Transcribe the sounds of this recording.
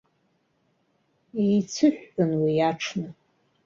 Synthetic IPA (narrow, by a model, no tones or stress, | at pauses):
ijt͡sʰɨʃᶣːʊnwiaʈ͡ʂʰnɨ